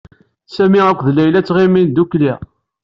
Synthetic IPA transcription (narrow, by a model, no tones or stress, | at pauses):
sæmiʁəkʷːðlæjlæt͡sːʁimind̪ukliʁ